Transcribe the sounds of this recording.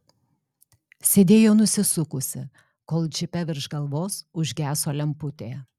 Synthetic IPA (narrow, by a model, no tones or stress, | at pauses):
sʲeːd̪ʲeːjoːnʊsʲɪsʊkʊsʲɪ̰ | koːlˠd͡ʒʲɪpʲɛʋʲɪɾʒɡɐlˠʋoːsʊʒʲɡʲæːsoːlʲɛmpʊt̪ʲeː